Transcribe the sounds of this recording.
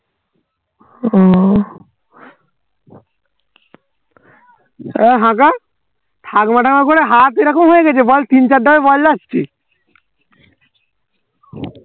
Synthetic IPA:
ɔ | eɦãka | ʈ̪ʰaɡmaʈʰamakoɾeɦat̪iɾakomɦojeɡɛt͡ɕʰebɔlt̪int͡ɕaɖːabebɔlːast͡ɕʰi

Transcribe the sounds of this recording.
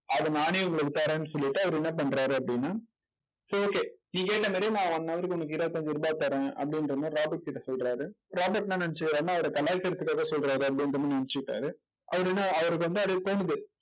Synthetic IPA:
ɐðɯnaːɳiʊŋɡɐɭɯkːɯt̪ːaːɾẽːnːɯsɔlːɪʈːɯɐʋɐɾɯɛnːɐp̬ɐɳːɾaːɾɯɐpːɐɽɪnːaː | soːoːkeːnĩːkeːʈːɐmaːɾijnãːɐnɐnaːʋɐɾikːʊnːɐkːɯɪɾɐʋɐt̪ːoɲd͡ʒɯɪɾɯbaːt̪ːɐɾɛ̃ɐ̰pːɐɽɪnɾɐnːaːɾaːbɐʈ̚kɪʈːɐsɔlɾaːɾɯ | ɾaːbɐʈːnãːnɐnɪt͡ʃːɯkɪɾaːɾɯnaːɐʋɐɾɐkɐlaːkːɐɾɐt̪ːɯkːaːɣɐsɔlɾaːɾɯɐp̬ɐɽɪndɾɯnːãːnɐnɪt͡ʃːɯkɪʈːa̰ːɾɯ | ʔɐ̰ʋɐɾɪnːaːɐʋɐɾɯkːɯʋɐnd̪ɯɐɽɯt̪oːnɯðɯ

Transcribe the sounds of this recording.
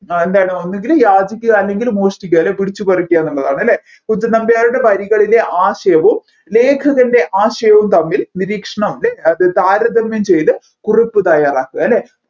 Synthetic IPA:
end̪aːjɐɳɨonːeŋɡilumjaːd͡ʑikʲːɨɐlːe̞ŋɡilmoːʂʈik̬ʲːuɐlːepiɽit͡ɕːupɐrikʲːijaːnːɐɭːɐðaːɳɐlːe | kuɲd͡ʑɐnɐmbɐjaːɾuɽe̞pɐɾiɣɐɭile̞ʔaːɕɐjɐʋum | le̞ːkʰɐɣɐnde̞ʔaːɕɐjɐʋumt̪ɐmːilniɾiːkʂɐɳɐmlːeɐðɨt̪aːɾɐd̪ɐmjɐmt͡ɕe̞jt̪ɨ | kuripːɨt̪ɐjaːraːkːuɐlːe

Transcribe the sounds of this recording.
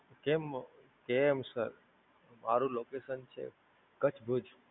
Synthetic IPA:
kem | kemsəɾ | maɾũlokesənt͡ʃʰḛ | kət͡ʃʰbʱud͡ʒʱ

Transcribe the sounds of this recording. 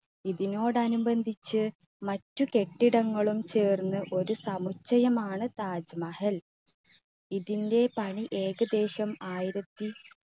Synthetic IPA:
iðino̞ːɽɐnubɐnd̪ʱit͡ɕːɨ | mɐtːuke̞ʈːiɽɐŋːɐɭumt͡ɕeːrnːɨʔo̞ɾusɐmut͡ɕːɐjɐmaːɳɨt̪aːd͡ʑmɐhɐl | iðinde̞pɐɳiʔe̞ːɡɐd̪e̞ːɕɐmaːjɾɐd̪ːi

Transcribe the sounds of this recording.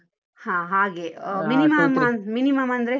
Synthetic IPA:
hãːɦaːɡeminimɐmɐminimɐmɐnd̪ɐɾe

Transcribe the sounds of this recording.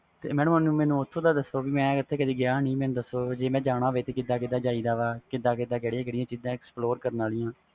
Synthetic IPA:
t̪ḛːmɛ̃ːnə̃mənũːmɛ̃ːnũːʊt̪ʰːõːd̪aːd̪əsoːbiːmɛ̃ːɪt̪ʰːeːkəd̪iːɡɪjaːnĩːmɛ̃ːnũːd̪əsoːd͡ʒeːmɛ̃ːd͡ʒaːɽ̃aːʋeːt̪eːkɪd̪aːkɪd̪aːd͡ʒaːiːd̪aːʋaːkɪd̪ãːkɪd̪aːkeːɽijãːkeːɽijãːt͡ʃiːd̪ãːɛksploːɾkəɾnaːlijãː

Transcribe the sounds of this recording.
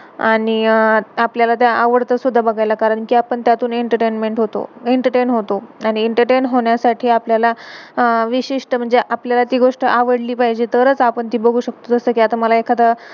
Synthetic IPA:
aɽ̃iapljalat̪jaʔaʋəɽt̪əsud̪ʱːabəɡʱajlakaɾəɳkiːapəɳt̪jat̪uːneɳʈəɾʈenmeɳʈɦot̪o̰eɳʈəʈenɦot̪oaɽ̃iːɳʈəɾʈenɦoɳjasaʈʰiːapljala | ʋiɕiʂʈəm̤əɳd͡zeʔapljalat̪iːɡoʂʈəʔaʋəɽliːpaɦjd͡ʑet̪ʰəɾət͡sapəɳt̪iːbəɡʱuːɕək̚t̪ot̪əst̪əːkiat̪aməlaekʰat̪ə

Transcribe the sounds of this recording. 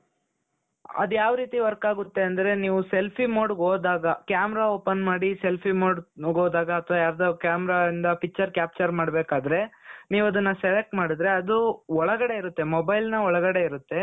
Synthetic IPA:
ɐ̰d̪jaːʋɾiːt̪iʋɐɾkaːɡut̪ːe̞ɐnd̪ɐɾe̞niːʋuselpʰimoːɖɡoːd̪aːɡɐkjaːmɛɾaoːpɐnmaːɽise̞lpʰimoːɖɡoːd̪aːɡɐːt̪ʰʋaːjaːɾd̪okjaːmɛɾaind̪ɐpikːt͡ʃːɐɾkjaːp̚t͡ʃɐɾmaːɽbeːkaːd̪ɐɾe̞niːʋuɐd̪ɐnːɐseʋek̚ʈmaːɽid̪ɾe̞ɐd̪uɔɭɐɡɐɽe̞iɾut̪ːe̞mɔbɐjlnɐɔɭɐɡɐɽe̞iɾut̪ːe̞

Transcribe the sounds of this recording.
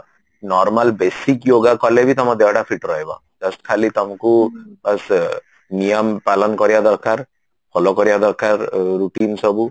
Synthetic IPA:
nɔɾmalbesikjoɡakɔlebit̪ɔmad̪ewʈapʰiʈɾɔɦebɔ̰ | d͡ʒɔsʈkʰalit̪ɔmakubas | nijɔmpalɔnkɔɾiad̪ɔɾkaɾ | pʰɔlɔkɔɾibad̪ɔɾkaɾːuʈinsɔbu

